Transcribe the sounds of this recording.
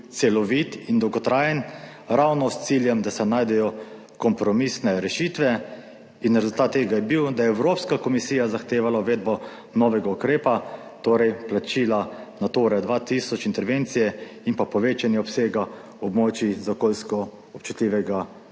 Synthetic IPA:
t̪sɛlɔʋit̪ind̪ɔwɡɔt̪ɾaːjɛn | ɾawnɔst̪siːljɛmd̪asɛnaːjd̪ɛjɔ | kɔmpɾɔmisnɛɾɛʃiːt̪ʋɛ | inɾɛzult̪aːt̪ːeːɡajɛbiwd̪ajɛːwɾopskakɔmisiːjazaxt̪eːʋalauʋeːd̪bɔ | nɔʋɛɡaukɾeːpat̪oːɾɛjplat͡ʃiːlanat̪oɾɛd̪ʋat̪isɔt͡ʃint̪ɛɾʋent̪sijɛinpapɔʋeːt͡ʃanjɛɔpseːɡa | ɔbmɔːt͡ʃizakolskɔ | ɔpt͡ʃut̪lʲiːʋɛɡa

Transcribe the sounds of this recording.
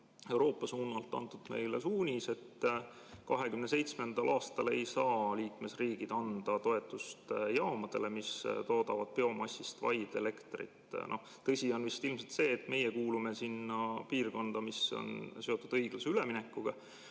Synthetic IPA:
e̞wɾo̞ːpːˑɑsuːnːɑlt̪ːˑɑ̰nt̪ːˑud̪̥me̞jlesuːnʲise̞t̪ | kɑɦe̞kymnesejt̪smend̪̥ɑlʔɑːst̪ɑle̞jsɑːliːkme̞sriːɡ̥id̪̥ɑnd̪̥ɑt̪o̞e̞t̪ːˑust̪jɑːmɑd̪̥e̞lemist̪o̞ːd̪ɑvɑd̪̥̚peo̞mɑsʲːist̪vɑ̰jd̪̥e̞le̞kt̪rḭt̪noh | t̪ɤsʲio̞nvist̪ilmselt̪se̞ːt̪ːme̞jekuːlume̞sinːɑpiːrko̞nd̪̥ɑmiso̞̰nse̞o̞t̪ːˑud̪̥ɤjɡ̥lɑseyleminekːuɡ̥ɑ

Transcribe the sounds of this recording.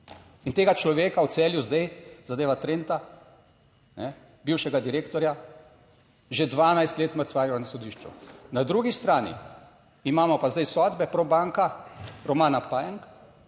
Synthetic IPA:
int̪eːɡat͡ʃlɔʋeːkaw̪sɛːljuzd̪ajzad̪eːʋat̪ɾeːnt̪a | nɛ | biːwʃɛɡad̪iɾeːkt̪ɔɾja | ʒed̪ʋaːnajst̪leːt̪məɾsʋaːɾjaanasɔd̪iːʃt͡ʃṵnad̪ɾuːɡist̪ɾaːnḭ | imaːmɔpazd̪ajsɔːd̪bɛpɾɔbaŋkaɾɔmaːnapajɛŋk

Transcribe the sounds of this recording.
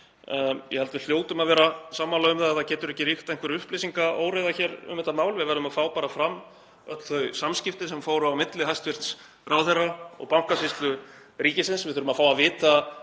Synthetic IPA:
jɛhɛlt̪vɪl̥joːwt̪ʏmaðvɛːɾasaːmːanlœːɣʏmθaaθacɛːt̪ʏɾɛhcɪrixt̪aɛnŋkvɛɾʏhplejsiŋkao̰ːwɾejðaçɛːɾʏ̰mːɛht̪ːamaːwlvɪðvɛɾðʏmaðfaːwpaːɾafɾamː | œt̪l̥θœɥsamscɪft̪ɪsɛmfoːwɾʏawmɪt̪lɪɦajst̪vɪr̥t̪s | rʔaːwθɛraɔ̰ɣpawŋ̥kasɪst̪lʏ | ɾiːcɪsɪnsvɪðθʏɾʏmaðfaːwaðvɪːt̪a

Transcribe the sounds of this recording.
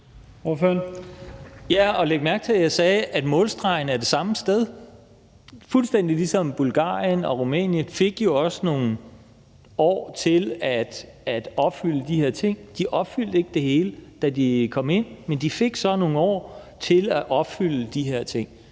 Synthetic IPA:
oføɐn | jæɒ̽leɡ̥mæɐɡ̥t͡sʰe̝ljɑɪsɛːʔæd̥mɔ̽ːlsd̥ʁɑ̈ɪn̩æɐd̥e̝sɑ̈məsd̥eð̞ˠ | fulsd̥en̰d̥ilisɒ̽mb̥ulɡ̥ɑ̰̈ːijənɒ̽ʁumɛ̰ːnjənfe̝ɡ̥jo̝ɒ̽səno̝ːn̩ | ɒ̰ːt͡sʰe̝læd̥ | æd̥ɒ̽b̥fyl̰əd̥ihe̝ɐ̰t͡sʰe̝ŋ̰d̥iʔɒ̽b̥fyl̰d̥e̝ɡ̥əd̥e̝he̝ːləd̥ædikʰɒ̽m̰e̝n̰mend̥ife̝ɡ̥sɒ̽no̝ːŋ̩ɒ̰ːt͡sʰe̝læʔɒ̽b̥fyl̰əd̥iɦeɐ̰t͡sʰe̝ŋ̰

